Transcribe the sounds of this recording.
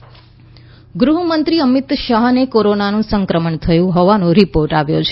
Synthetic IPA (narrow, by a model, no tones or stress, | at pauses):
ɡɾuɦumənt̪ɾiəmit̪ʃaɦnekoɾonanũsəŋkɾəməɳt̪ʰəjũɦɔʋanoɾipoɾʈaʋjo̰t͡ʃʰe